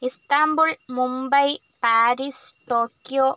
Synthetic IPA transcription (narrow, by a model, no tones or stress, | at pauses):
ɪst̪aːmbulmʊmbɐj | paːɾiːst̪oːkːijo